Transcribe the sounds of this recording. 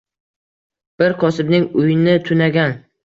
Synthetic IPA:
b̥ɪɾqʰɒsɪbnɪŋʊjɪnɪt̪ʰʊnaɡʲan

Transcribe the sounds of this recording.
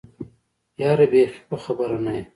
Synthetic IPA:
jaːɾebeːxi̥poxɐbɐɾɐnɐe

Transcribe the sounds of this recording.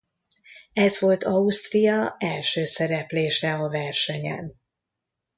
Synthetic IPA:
ɛzvo̞lt̪ɒust̪rijɒɛlʃøːsɛɾɛpleːʃɛɒvɛrʃɛɲɛ̰n

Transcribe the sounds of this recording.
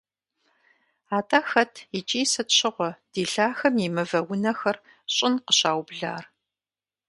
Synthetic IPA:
aːtʰʼaːxɐtʰɪt͡ʃʼiːsɨtɕʰɪʁʷɔd̥iːɬaːxɐmimɨvɐwʊnɐxɐr | ɕʼɪnqəɕaːwbɮa̰ːr

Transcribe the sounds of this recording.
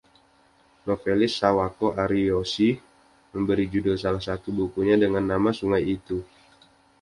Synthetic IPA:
nofelɪsːawakoʔaɾiosi | məmbəɾid͡ʒudʊlsalahsat̪ubukuɲadəŋanːamasuŋajit̪u

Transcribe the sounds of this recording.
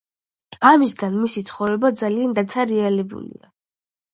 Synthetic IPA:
amisɡanmisit̪sʰχɔvɾɛbad̪zaliand̪at̪sʰaɾɛalɛbṵlḭa̰

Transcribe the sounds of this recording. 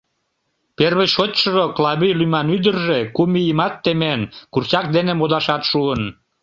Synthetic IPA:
perβejʃot̪ʲʃoʒoklɑβijlymɑnyd̪ərʒekumijimɑt̪ːemenkurt͡ɕɑk̚d̪enemod̪ɑʃɑt̪ʃuən

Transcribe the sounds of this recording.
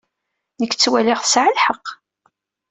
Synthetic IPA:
nəkːt͡sːwælɪʁθə̥sʕəlħəqː

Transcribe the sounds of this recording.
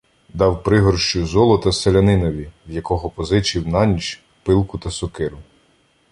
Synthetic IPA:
d̪ɑwpɾɪɦɔrʃt͡ʃʊzɔlˠɔt̪ɐselʲɐnɪnɔʋʲiwjɐkɔɦɔpɔzɪt͡ʃiwnɑnʲiʃ | pɪlˠkʊt̪ɐsɔkɪɾʊ

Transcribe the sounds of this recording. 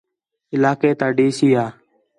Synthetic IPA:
ɪlaːkeːt̪aːɖeːsiːaː

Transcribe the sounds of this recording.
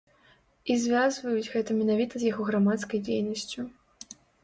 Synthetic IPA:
izʲvʲazvɐjud͡zʲɣɛt̪ɐmʲɛnavʲit̪ɐzjaɣɔɣɾamat̪skɐjd͡zʲejnɐsʲt͡sʲu

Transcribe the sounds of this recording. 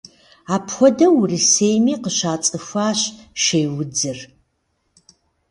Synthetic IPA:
aːpxʷɔdɐwʊrisejmiːqəɕaːt͡sʼɨfʷaːɕʃejwʊd͡zɨr

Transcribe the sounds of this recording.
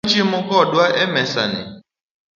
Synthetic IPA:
t͡ʃimʊ̃kɔdwaʔɛmɛsa̰nɪ̰

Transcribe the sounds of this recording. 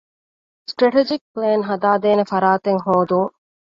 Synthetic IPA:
sʈɾɐʈed͡ʒik̚pleːnɦɐd̪aːd̪eːnefɐɾaːt̪eŋɦoːd̪uŋ

